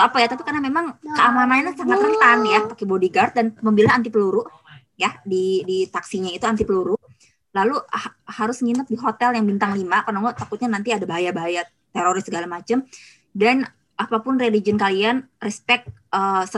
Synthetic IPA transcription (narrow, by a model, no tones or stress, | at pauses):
apajat̪apikarnamemaŋkəamamanasaŋat̪nərt̪anjapakebodiɡart̪̚danməmbilaant̪ipəluɾʊʔ | jadidit̪aksiɲait̪uant̪ipəluɾʊʔ | laluhhaɾʊsŋinət̪̚diɦot̪ɛljaŋbint̪aŋlimakərnaŋɔt̪akʊt̪̚ɲanant̪iadabaɦajabaɦaja | t̪eɾoɾɪst̪səɡalamat͡ʃəm | dan | apapʊnrelid͡ʒənkalianrɛspɛk̚t̪̚əsə